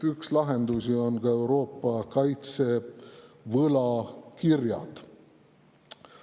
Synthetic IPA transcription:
ykslɑɦe̞nd̪usio̞nɡ̥ɑe̞wɾo̞ːpːˑɑkɑjt̪se̞ | vɤlɑkirjɑ̰d̪̥

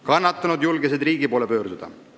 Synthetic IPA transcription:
kɑnːɑt̪ːˑɑnud̪julɡes̬ed̪riːɡipo̞ːlepø̞ːɾd̪̥ud̪̥ɑ̰

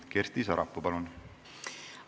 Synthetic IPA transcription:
kerst̪isɑɾɑpːupɑlun

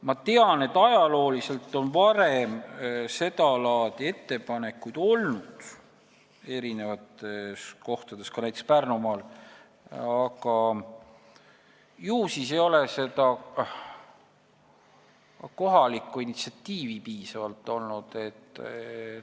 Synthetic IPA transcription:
mɑt̪e̞ɑne̞t̪ːˑɑjɑlo̞ːlise̞lt̪ːˑo̞nvɑɾe̞mse̞t̪ɑlɑːd̪̥ʲie̞t̪ːe̞pɑne̞kːˑujd̪̥o̞lnud̪̥ | e̞ɾine̞vɑt̪ːesko̞ht̪ɑd̪̥e̞skɑnæjt̪e̥spærnumɑːl | ɑkɑ | juːsisejo̞le̞se̞d̪̥ɑ | ko̞ɦɑlikːˑuinit̪siɑt̪ːiːvipiːsɑvɑlt̪ːˑo̞lnud̪̥e̞t̪ːˑ

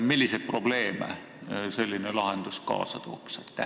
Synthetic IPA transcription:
milʲːiset̪̚pro̞b̥le̞ːmæ̰ | se̞lʲːinelɑɦend̪̥uskɑ̰ːsɑt̪oːkset̪ːˑæ

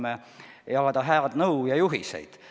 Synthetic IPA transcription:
me | ejɑkɑd̪̥ɑɦæɑd̪̥nɤwjɑjuɦisḛjd̪̥

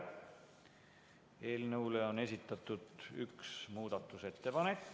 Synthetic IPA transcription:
eːlnɤwle̞o̞ne̞sit̪ːˑɑt̪ːˑud̪̥y̰ksmuːd̪̥ɑt̪ːˑuse̞t̪ːe̞pɑnekː

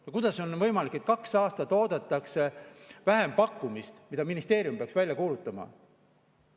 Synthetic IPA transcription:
jɑkud̪̥ɑso̞nvɤjmɑlikːˑe̞t̪̚kɑksɑːst̪ɑt̪o̞ːd̪ɑt̪ːˑɑksevæɦe̞mpɑkːˑumist̪mid̪ɑminist̪e̞ːɾjumpe̞ɑksvælʲjɑkuːlut̪ːˑɑmɑ̰

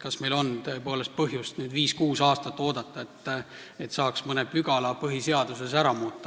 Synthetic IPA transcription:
kɑsme̞jlo̞nt̪oe̞po̞ːle̞st̪̚pɤɦjust̪nyːd̪viːskuːsɑːst̪ɑt̪ːˑo̞ːd̪̥ɑt̪ːˑɑe̞t̪ːˑ | et̪sɑːksmɤnepyɡ̥ɑlɑpɤɦise̞ɑd̪̥use̞sæɾɑmuːt̪ːˑɑ̥

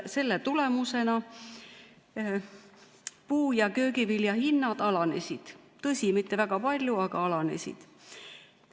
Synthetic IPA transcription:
se̞lːet̪ule̞muse̞nɑ | puːjɑkø̞ːɡiviljɑhinːɑd̪̥ɑlɑne̞sʲid̪̥t̪ɤsʲimit̪ːe̞væɡ̥ɑpɑlʲjuɑɡ̥ɑɑlɑne̞̰sʲḭd̪̥

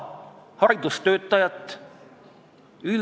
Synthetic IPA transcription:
hɑɾid̪̥ust̪ø̞ːt̪ːˑɑjɑt̪ːˑ | yl

